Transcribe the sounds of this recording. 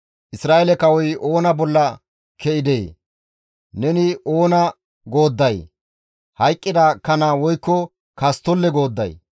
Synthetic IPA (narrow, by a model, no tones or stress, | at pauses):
ʔɪsɾaːʔelɛkɐwɔjo̞ːnɐbɔlːɐ | kʰɛɪd̪eː | nɛnɪʔoːnɐ | ɡo̞ːd̪ːɐj | hɐjkʼːɪd̪akɐnaːwɔjkːɔ | kɐst̪ɔlːɛɡo̞ːd̪ːɐ̰j